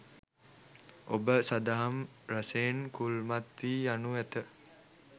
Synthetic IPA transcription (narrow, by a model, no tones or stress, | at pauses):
obəsad̪aɦam | ɾəseːnkulmat̪ʋiːjanuʋæt̪ə